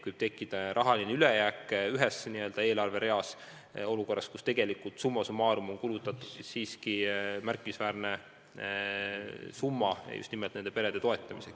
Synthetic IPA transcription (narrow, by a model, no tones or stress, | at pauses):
kujb̥̚t̪e̞kːˑid̪̥ɑɾʔɑɦɑlineylejæːkːˑyɦesːeniø̞ld̪ɑe̞ːlɑrve̞ɾe̞ɑs | o̞luko̞rːɑ̰skust̪e̞ɡ̥e̞likːˑult̪sumːɑsumɑːɾumo̞ŋkulut̪ːˑɑt̪ːˑud̪̥sissiːskimærkːˑiisvæːrne̞ | sumːɑj̰jṵst̪nimelt̪ne̞nd̪e̞pe̞ɾe̞d̪̥e̞t̪o̞e̞t̪ˑːɑmise̞k